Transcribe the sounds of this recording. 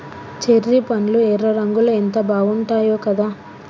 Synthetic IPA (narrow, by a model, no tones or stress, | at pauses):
t͡ʃeɾːipɐnluɛɾːɐɾɐŋɡulɐent̪ɐbaːɡuɳʈaːjoːkɐd̪aː